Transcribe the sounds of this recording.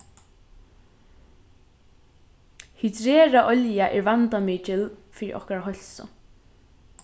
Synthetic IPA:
hit̪ɾɛːɾaʔɔljaʔɛɾvant̪amiːt͡ʃɪlfiːɾɪ̰ʔɔ̰hkaɾaɦɔl̥sʊ̰

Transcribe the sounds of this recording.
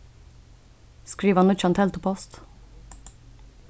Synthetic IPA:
skɹiːʋənʊt͡ʃɑnt̪ʰɛlt̪əpʰɔst̪

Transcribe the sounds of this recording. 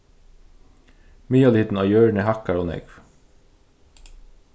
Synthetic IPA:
myːɑːliːt̪n̩ɑːjøːɹɳəːhɑkɑɹoːnɛ̰ɡʋ

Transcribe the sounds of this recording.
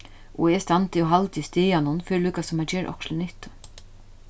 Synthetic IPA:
ɔɛst̪ant̪ɪɔɦalt̪ist̪eːjanʊnfɪːɾɪluːkasʊmhad͡ʒɛːɾʔɔ̰kʃlɪnɪht̪ʊ̥

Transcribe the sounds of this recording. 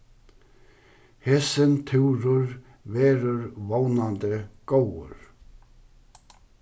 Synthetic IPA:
hɛsɪnt̪ʰɪwɾʏɾ | vɛːɾʏɾvownant̪əkowʏ̰ɾ̥

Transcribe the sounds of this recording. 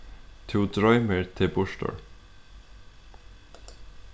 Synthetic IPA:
t̪ʰuːd̪ɾɔʏməɹt̪ʰɪbʊʃʈɔ̰ɹ

